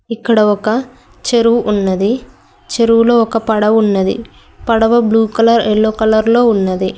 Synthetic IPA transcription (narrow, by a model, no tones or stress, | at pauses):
ikːɐɽɐɔkɐ | t͡ʃe̞ɾuʋuʔunːɐd̪i | t͡ʃeɾuʋulo̞ːɔkɐpɐɽɐʋunːɐd̪ḭ | pɐɽɐʋɐbluːkɐlɐɾɛɭːoːkɐlɐɾlo̞ːunːɐd̪i